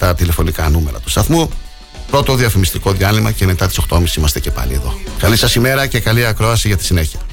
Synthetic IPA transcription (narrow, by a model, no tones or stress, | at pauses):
t̪ɐt̪ile̞fo̞nikɐnume̞ɾɐ̰t̪u̥st̪ɐθmu | pɾo̞t̪o̞ðiɐfimist̪iko̞ðiɐlimɐce̞met̪ɐt̪iso̞xt̪o̞misi̥simɐst̪e̞ce̞pɐ̰lḭeðo̞kɐlisɐsime̞ɾɐce̞kɐliɐkɾo̞ɐsiʝɐt̪i̥sine̞çiɐ